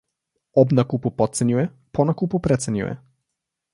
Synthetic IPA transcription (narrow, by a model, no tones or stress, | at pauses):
ɔbnakupupɔt̪̚sɛɲʲujɛ | pʰɔnakupupɾɛt̪sɛɲʲṵjɛ̰